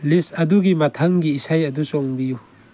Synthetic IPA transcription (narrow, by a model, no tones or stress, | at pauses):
lisɐduɡimɐt̪ʰɐŋɡiːsajɐdusɔŋbiju